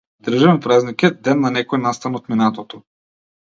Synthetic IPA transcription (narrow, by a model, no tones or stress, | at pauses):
d̪r̩ʒavɛmpɾaznikʲɛt̪̚d̪ɛnːanɛkɔjnast̪anɔt̪minat̪ɔt̪ɔ